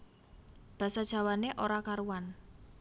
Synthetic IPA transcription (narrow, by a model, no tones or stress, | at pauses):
b̥ä̤sad̥ʒ̥a̤waneʔoɾakaɾuwan